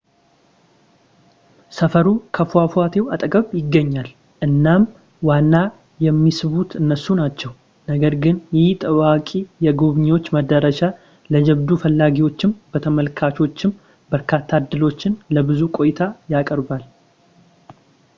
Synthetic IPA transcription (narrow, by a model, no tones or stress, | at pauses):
səfəɾukʰəfafuat̪ʰe̞wat̪ʼəɡəβjɪɡːəɲːal | ʔɨnːam | wanːa | jɛmːisɨβut̪ɨnːəsunat͡ʃːɛw | nəɡəɾɡɨnjɪt̪ʼəβakʼijɛɡoβɲwo̞t͡ʃːməd̪əɾəʃa | ləd͡ʒɛβd̪ufəlːaɡiwo̞t͡ʃːɪmbət̪ʰəməlkʰat͡ʃo̞t͡ʃːɪm | bəɾkʰat̪ʰːad̪ːɨlo̞t͡ʃːɪnləbɨzukʼo̞jɪt̪ʰajakʼəɾbal